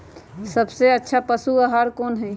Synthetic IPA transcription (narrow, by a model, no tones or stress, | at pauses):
səbseətːʃʰapəsuəɦaɾkoːnɦɛ̃